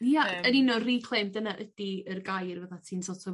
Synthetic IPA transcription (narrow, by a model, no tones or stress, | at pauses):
jaəninorikʰlˠemdənaʔədiərɡajrvəðatʰiːnsɔtʰɔ